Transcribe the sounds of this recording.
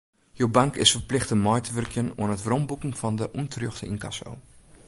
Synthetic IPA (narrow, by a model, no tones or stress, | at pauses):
jowbaŋkɪ̰sfərplɪxtəmɔjtəʋʏrkjəno̰ənətrombukn̩fɔndəʔuntʰrjoxtəinka̰so̰w